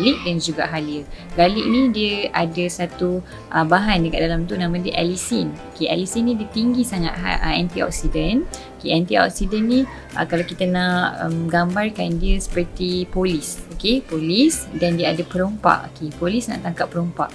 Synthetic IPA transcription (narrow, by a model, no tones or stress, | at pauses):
liʔ̚dand͡ʒuɡa̰ʔɦaliəbaliʔnĩdiəʔadasat̪u | ʔəbaɦandəka̰ʔ̚dalamt̪unãmãdiəʔalisinokeʔɛ̰lisinːĩdiət̪iŋɡisaŋa̰ʔ̪̚ɦa̰ə̰ant̪iɔ̰k̚sidənokeant̪iɔ̰k̚sidənːĩ | ʔə̰kalakit̪anaʔə̰mɡambarkandiəsə̥pərt̪ipolisokepolisdandiəadapəɾompa̰ʔo̰kepolisna̰ʔt̪aŋkapːəɾompa̰ʔ